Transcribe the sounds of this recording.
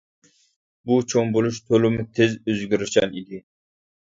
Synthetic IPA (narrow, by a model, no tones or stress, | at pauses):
but͡ʃʰoŋbolˠuʃ̬t̪ʰølumɨt̪ʰɪzøzɡʲyɾɪʃɑnid̪ɪ